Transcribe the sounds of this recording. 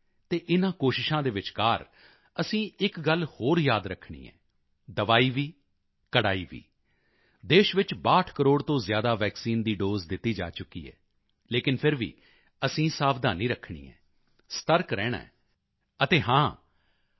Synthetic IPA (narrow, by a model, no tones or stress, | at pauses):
t̪eːʔɪnãːkoːʃɪʃãːd̪eːʋɪt͡ʃkaːɾ | əsĩːɪkɡəlhoːɾjaːd̪ɾəkʰːɳḭːɛ̰̃ː | d̪əʋaːiːʋiː | kəɽaːiːʋḭː | d̪eːʃʋɪt͡ʃbaːʈʰkəɾoːɽt̪õːzjaːd̪aːʋɛːksiːnd̪iːɖoːzd̪ɪt̪ːiːd͡ʒa̰ːt͡ʃʊkːḭːɛ̰ː | leːkɪnpʰɪɾʋḭː | əsĩːsaːbd̪aːnĩːɾəkʰɳḭːɛ̰̃ː | st̪əɾkɾɛːɽ̃ã̰ɛ | ət̪eːɦãː